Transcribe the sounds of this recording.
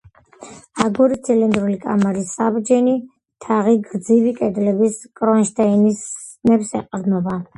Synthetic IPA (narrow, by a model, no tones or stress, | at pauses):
aɡuɾit̪sʰilɛnd̪ɾulikʼa̰maɾisabd͡ʒɛni | t̪ʰaʁiɡɾd̪zivikʼɛd̪lɛbiskʼɾɔnʃt̪ʰainis | nɛpsɛ̰qʼɾd̪nɔba